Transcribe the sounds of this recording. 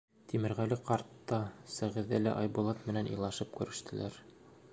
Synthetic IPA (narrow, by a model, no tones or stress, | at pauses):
t̪ʰimɘ̆ɾʁælɘqɑɾt̪ːɑsæʁɘ̆ðælæ̰ʔɑjbulˠɑt̪mɘ̆nænʔŏ̰jlˠɑʃɤp̚kʉ̆ɾɘ̆ʃt̪ɘ̆lʔæɾ